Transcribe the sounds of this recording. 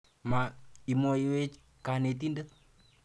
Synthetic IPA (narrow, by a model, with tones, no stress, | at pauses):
ma˨i˨mɔ˦iwe˦t͡ʃ | kane˨t̬i˦ndə˦